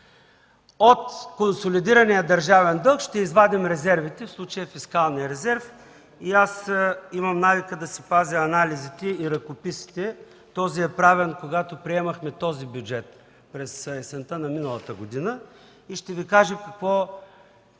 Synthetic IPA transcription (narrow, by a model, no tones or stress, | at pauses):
ot̪konsolid̪iɾɐnijəd̪ɐɾʒavɛnd̪ɤlˠkʃt̪ɛizvad̪imɾɛzɛɾvit̪ɛfslˠut͡ʃəjəfiskalˠnijəɾɛzɛɾf | iasimɐmnavikəd̪ɐsipaziɐnalizit̪ɛiɾɐkopisi̥t̪ɛ | t̪ɔziɛpɾavɛnkoɡat̪opɾiɛmɐxmɛt̪ɔzibjud͡ʒɛt̪ | pɾɛsɛsɛnt̪ənɐminəlˠɐt̪əɡod̪inə | iʃt̪ɛvikaʒɛkɐkvɔ